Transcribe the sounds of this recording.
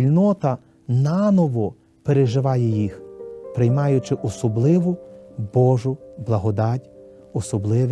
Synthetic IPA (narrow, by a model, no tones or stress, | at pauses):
ilʲnɔt̪ɐ | nɑnɔʋɔ | peɾeʒɪʋɑjɛjixpɾɪjmɑjʊt͡ʃɪʔɔsɔblˠɪʋʊbɔʒʊblˠɐɦɔd̪ɑtʲ | ɔsɔblˠɪʋ